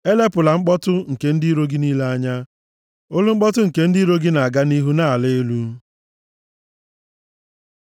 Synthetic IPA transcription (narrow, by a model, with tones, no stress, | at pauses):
e˦le˦pʊ˨la˨ŋ͡m̩˦k͡pɔ˦tʊ˦ŋ̩˨ke˨n̩˦di˦ɾo˦ɡi˦niː˦le˦a˦ɲa˦ | o˦lu˦ŋ͡m̩˦k͡pɔ˦tʊ˦ŋ̩˨ke˨n̩˦di˦ɾo˦ɡi˦na˨a˨ɡa˦ni˦ɦu˦na˦˨le˦e˦lu˦